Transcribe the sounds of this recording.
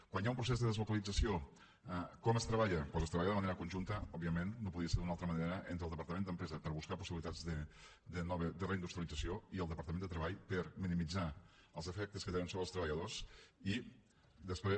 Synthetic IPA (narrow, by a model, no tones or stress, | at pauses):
kwanjaumpɾusezðəðəzlukəlid͡zəsio | kɔməst̪ɾəβaʎəpɔzəst̪ɾəβaʎəðəməneɾəkunʲʒunt̪əɔbiəmenːopuðɾiəseɾd̪unalˠt̪ɾəməneɾəʔent̪ɾəlˠəpəɾt̪əmend̪əmpɾɛzəpəɾβuskapusiβilit̪ad͡zðə | d̪ənɔβəd̪əreind̪ust̪ɾəlid͡zəsioiəlˠd̪əpɐɾt̪əmend̪ət̪ɾəβaʎpəɾminimid͡za | əlˠzəfɛk̚t̪əskət̪enənsoβɾəlˠst̪ɾəβəʎəðosi | d̪əspɾe